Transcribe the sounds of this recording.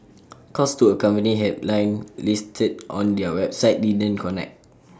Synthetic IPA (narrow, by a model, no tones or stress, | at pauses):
kʰɔstuəkãmpəniɦɛdlãj̃nlistʰədʔɔ̃ndɛwɛp̚saɪt̚didə̃nkɔnɛ̰k̚t